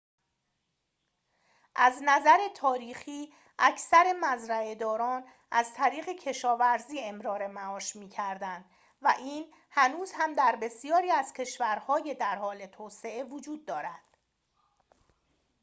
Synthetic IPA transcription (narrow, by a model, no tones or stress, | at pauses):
ʔæznæzæɾe̞t̪ʰɒːɾiːxiː | ʔæcʰsæɾe̞mæzɾæe̞d̪ɒːɾɒːn | ʔæzt̪ʰæɾiːɣe̞cʰe̞ʃɒːvæɾziːe̞mɾɒːɾe̞mæɒːʃmiːcʰæɾd̪ænd̪̥ | væʔiːn | hænuːzhæmd̪æɾbe̞sijɒːɾiːæz̥cʰe̞ʃvæɾhɒːje̞d̪æɾhɒːle̞t̪ʰoːse̞e̞vod͡ʒuːd̪̚ːɒːɾæd̪̥